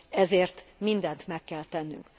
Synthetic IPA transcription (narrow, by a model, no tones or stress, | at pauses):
ɛzeːrt̪mind̪ɛnt̪mɛkːɛlt̪ɛnːy̰ŋk